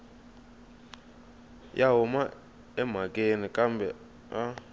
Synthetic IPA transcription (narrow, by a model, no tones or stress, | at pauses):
jʔaɦuma | ɛm̤akʼenikʼambʱɛ | a